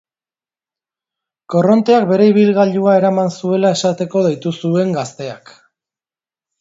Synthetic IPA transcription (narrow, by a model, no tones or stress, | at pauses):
ko̞ro̞nt̪e̞ak̚be̞ɾe̞iβ̞ilɣaʎuae̞ɾamansue̞lae̞sat̪e̞ko̞ð̞ejt̪usue̞ŋɡast̪e̞a̰k